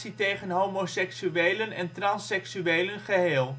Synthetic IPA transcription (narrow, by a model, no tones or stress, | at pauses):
sitejχənɦowmosɛksyʋejlənɛntrɑnsɛksyejlənχəɦeːlˠ